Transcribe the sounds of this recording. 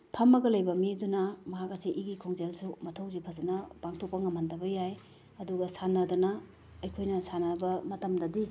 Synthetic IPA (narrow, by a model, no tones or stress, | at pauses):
pʰɐmːɐɡɐlɐjbɐmidunɐmɐɦakɐsiʔːɡikʰoŋzelsumɐtʰɐwzipʰɐzɐnɐpaŋtʰok̚pɐŋɐmhɐndɐbɐjaj | ɐduɡɐsanɐdɐnɐː | jkʰojnɐsanɐbɐmɐtɐmdɐdi